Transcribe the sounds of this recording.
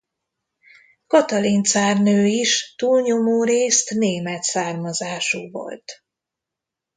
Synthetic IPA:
kɒt̪ɒlint̪saːrnøːiʃt̪uːlɲo̞moːɾeːst̪neːmɛt̪saːrmɒzaːʃuːvo̰lt̪

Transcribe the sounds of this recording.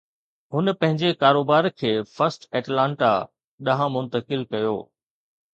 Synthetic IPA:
ɦʊnəpɐ̃ɦɪ̃ɲd͡ʑekaːɾoːbaːɾkʰeːfɐɾsʈɛːʈlãːɳʈa | ɗɐɦãmʊ̃nt̪əkɪlkɐjo̰ː

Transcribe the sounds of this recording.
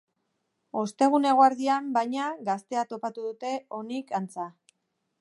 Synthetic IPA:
o̞st̪e̞ɣ̞une̞ɣoaɾðiambajɲaɡast̪e̞at̪o̞pat̪uðut̪e̞o̞nikant͡sa

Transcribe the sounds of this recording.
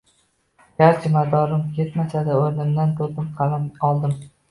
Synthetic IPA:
ɡaɾt͡ʃʰɪmad̪ɒɾɪmjet̪mat͡ʃʰad̪aoɾnɪmd̪ant̪ʰoɾd̪ɪmqʰɑlamɒlˠd̪ɪm

